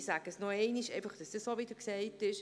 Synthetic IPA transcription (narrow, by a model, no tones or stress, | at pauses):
saɡ̥əsnoɛɪniʃɛɪfɑχd̥ɑsd̥əssoʋɪd̥əɾksɛɪtɪʃ